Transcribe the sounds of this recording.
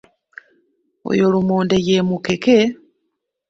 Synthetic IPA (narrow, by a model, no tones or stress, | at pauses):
o̰jolumoːndejemukeke